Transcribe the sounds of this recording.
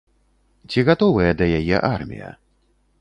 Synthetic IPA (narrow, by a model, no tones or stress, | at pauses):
t͡sʲiɣat̪ɔvɨjɐd̪ɐjajɛ̰ʔarmʲḭjɐ̰